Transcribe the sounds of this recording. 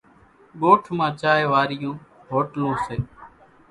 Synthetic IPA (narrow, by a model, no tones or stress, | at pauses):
ɠoːʈʰmãːt͡ʃaːeːʋaːɾɪjũː | ɦoːʈlõːseː